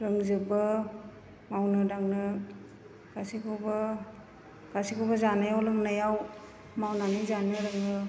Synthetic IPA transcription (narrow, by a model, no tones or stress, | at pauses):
ɾɯŋzɯbɯ | mawnɯɾaŋnɯ | ɡ̥asikʰɔba | kasikʰɔwbazanajawlɯŋnajaw | mawnanɯzanɯɾɯŋnɯ